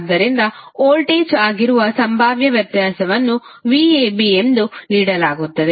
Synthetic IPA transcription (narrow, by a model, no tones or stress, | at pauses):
d̪ːɐɾind̪ɐoːlʈeːt͡ʃaːɡiɾuʋɐsɐmbʱaːʋjɐʋjɐɾt̪jaːsɐʋɐnːuʋieːbiemd̪uniːɽɐlaːɡut̪ːɐd̪e